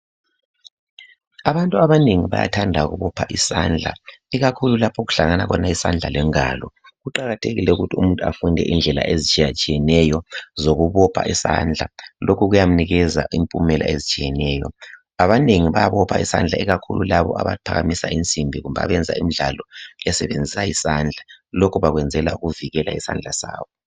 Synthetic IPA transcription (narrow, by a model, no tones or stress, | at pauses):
aβantʼuaβaneŋiβa̰ja̰tʰandʱaɣuβɔpʰaʔisand͡ɮʱa̰iɣakʰululapʰɔɣu̥ɬaŋanaɣɔnaisand͡ɮʱalɛŋa̰lɔ | ɣuǃaɣatʰeɣilɛṵɣutʰiṵmuntʼua̰fundʱɛʔind͡ɮʱɛla̰ʔezit͡ʃʼijat͡ʃʼijɛnɛjɔzoɣuβɔpʰa̰ʔisa̰nd͡ɮʱalʔokʰuɣujam̩niɣɛza̰impʼumɛlʔa̰ʔezit͡ʃʼijɛnɛːjɔ̰ | aβaneŋiβajaβɔpʰaisa̰nd͡ɮʱaɛɣakʰṵlulaβɔ̰ʔa̰βa̰ipʰaɣamisa̰ʔint͡sʼimbʱiɣumbaa̰βɛnd͡zʱa̰imiɮalɔɛsɛβend͡zʱisajisand͡ɮʱalokʰuβaɣwɛnd͡zʱɛla̰uɣuviɣɛla̰isa̰nd͡ɮʱasa̰ːβɔ